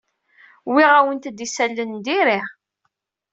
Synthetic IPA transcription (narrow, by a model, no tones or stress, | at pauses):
wiʁæwənt̪d̪isælːənd̪iɾiʁ